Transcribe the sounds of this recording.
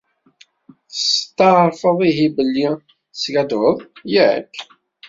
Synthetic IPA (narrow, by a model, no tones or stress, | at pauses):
st̪ːɑɾˤfəðˤiɦibəlːi | sɡæd̪wəðˤjiæʕə̰k